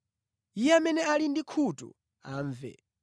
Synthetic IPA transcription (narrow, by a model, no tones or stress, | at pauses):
ijɛamɛnɛalindikʰutṵ | aːɱvɛ̰